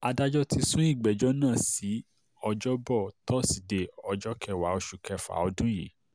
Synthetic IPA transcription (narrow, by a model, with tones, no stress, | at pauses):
a˧da˦d͡ʒɔ˦ti˧sũ˦i˦˨ɡ͡bɛ˨d͡ʒɔ˦nãː˦˨si˨˦ | ɔ˧d͡ʒɔ˦bɔ˦˨tɔ˦si˨de˨ɔ˧d͡ʒɔ˦kɛ˧˨wa˨˦o˧ʃu˨kɛ˧fa̰˨˦ɔ˧dũ˦jḛ˨˦